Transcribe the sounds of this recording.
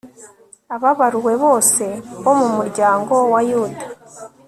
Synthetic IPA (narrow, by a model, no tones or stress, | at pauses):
aβaβaɾuwe̞βo̞ːse̞βo̞mumuɾɟaːŋɡo̞wajuːdḁ